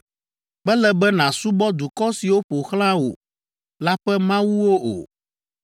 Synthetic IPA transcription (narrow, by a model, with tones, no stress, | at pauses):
bɛ˦lɛ˨bɛ˦nã˨su˦bɔ˦d̪u˨kɔ˦si˨wo˦ɸo˨xl̃ã˦wo̰˨ | la˦ɸɛ˦mã˦wu˦wo˦o̰˨